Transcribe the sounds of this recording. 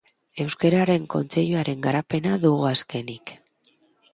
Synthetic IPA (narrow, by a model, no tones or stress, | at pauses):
e̞wskeɾaɾe̞ŋko̞̰nt͡se̞ʎuaɾe̞ŋɡaɾape̞naðuɣ̞uaske̞nik